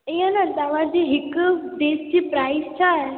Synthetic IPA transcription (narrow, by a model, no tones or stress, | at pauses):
iːə̃nat̪ɐʋ̤ãd͡ʑiːɦɪkd̪eːsd͡ʑiːpɾaːɪst͡ɕʰaɦe